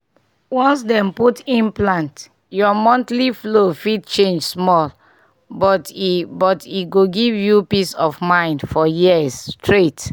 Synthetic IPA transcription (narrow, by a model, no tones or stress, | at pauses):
wɔ̃nsdɛ̃mputĩnplãnt | jɔmɔ̃ntliflofid̚t͡ʃẽnd͡ʒsmɔl | bɔtbɔtiɡoɡivjupisɔvmãɪ̃ndfɔjiəsstʰɹet